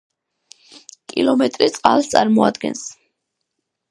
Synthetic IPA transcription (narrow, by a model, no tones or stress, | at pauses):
kʼḭlˠɔmɛt̪ʼɾit̪sʼqʼalˠst̪sʼaɾmɔad̪ɡɛ̰ns